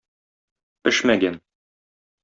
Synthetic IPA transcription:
pɘʃmæɡæn

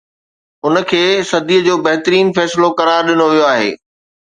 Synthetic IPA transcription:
ʊnə̆kʰeːsɐd̪ʱiəd͡ʑoːbɐɦɪt̪ɾiːnfɛːsɪlokɐɾaːɾɗɪnoʋijoaːɦḛː

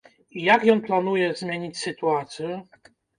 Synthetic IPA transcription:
ijakjɔnplanujɛzmʲjeɲit͡ɕsɘt̪uat̪sʲjɛ

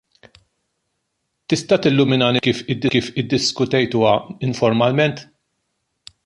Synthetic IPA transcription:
t̪ɪst̪ɐt̪ɪlːʊmɪnɐːnikiːfɪd̪ːɪkiːfɪd̪ːɪskʊt̪ɛjt̪uːɐɪɱfɔɾmɐlmɛnt̪

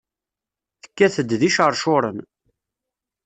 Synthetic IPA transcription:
θə̥kːæθəd̪ðiʃəɾˤʃʊɾˤən

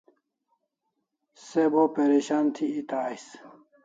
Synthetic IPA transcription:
sebopeɾiɕant̪ʰiːt̪aːis

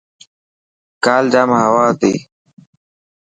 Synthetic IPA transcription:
kaːldaːmɦɐwaːt̪ḭː

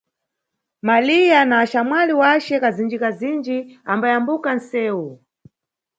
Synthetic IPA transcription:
malijanaːʃamwaliwat͡ʃɛkazind͡ʒikazind͡ʒiambajambukan̩sɛːwu

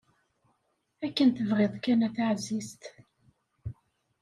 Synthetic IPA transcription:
ækːənt̪əvʁeðˤkænæθaʕzist̪

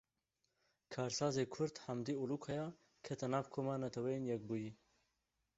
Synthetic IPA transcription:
kʰaːɾsɑːzeːkʰʊɾd̪hɐmd̪ioluːkʰɐjɑː | kʰɛt̪ʰɛnaːvkʰoːmaːnɐt̪ʰɛwɛjeːnjɛk̚buːji

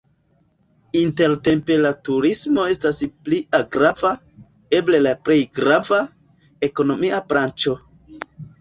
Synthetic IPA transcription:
inte̞ɾte̞mpe̞latuɾismo̞e̞staspliaɡɾava | e̞ble̞lapɾe̞jɡɾava | eko̞no̞miapɾant͡ʃo̞

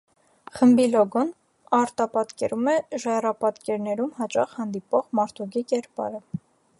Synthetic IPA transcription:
χəmbilɔɡɔn | ɑɾt̪ɑpɑt̪kɛɾumɛʒɛrɑpɑt̪kɛɾnɛɾumɦɑt͡ʃɑχhɑnd̪ipɔʁmɑɾt̪ʰuɡikɛɾpɑ̰ɾə

